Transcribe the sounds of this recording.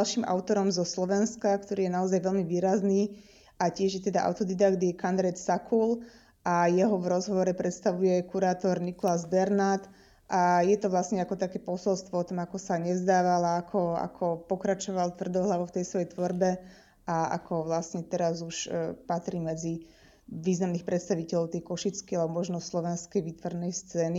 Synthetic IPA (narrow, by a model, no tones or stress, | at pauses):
lʃiːmʔa̰ʊt̪ɔɾɔmzɔslɔʋɛnskakt̪ɔɾiːjɛnaɔzajʋɛlmiʋiːɾazniː | ʔacɪɛʒjɛt̪ɛd̪aʔa̰ʊt̪ɔd̪id̪aɡd̪jɛkand̪ɾɛt̪sakʰul | ajɛɦɔʋɾɔzɦɔʋɔɾɛpɾɛt̪st̪aʋujɛkuɾaːt̪ɔɾnikɔlazbɛɾnaːt̪ | ʔajɛt̪ɔʋlasɲɛakɔt̪akɛːpɔsɔlst̪ʋɔɔt̪ɔmakɔsaɲɛzd̪aːʋalaakʰɔa̰kʰɔpɔkɾat͡ʃɔʋalt̪ʋr̩d̪ɔɦlaʋoʊt̪ɛjsʋɔjɛjt̪ʋɔɾbɛ | aa̰kʰɔʋlasɲɛt̪ɛɾazuʃpat̪ɾiːmɛd͡zi | ʋiːznamniːxpɾʔɛt̪st̪aʋicɛlɔʊt̪ɛjkɔʃit͡skialɛbɔmɔʒnɔslɔʋɛnskɛjʋiːt̪ʋɔɾnɛjst͡sɛːni